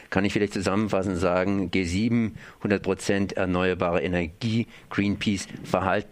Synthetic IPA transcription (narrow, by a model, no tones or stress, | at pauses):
kʰanɪçfɪlaɪçtt͡suzamənfasn̩ntz̥aːɡŋ̩ɡeːziːbm̩hʊndɐt̚pʁ̥ot͡sɛntɛ̰ɐnɔʏɐbaːʁəenɛɐɡiː | ɡ̥ʁiːnpʰiːsfɛɐɦaltn̩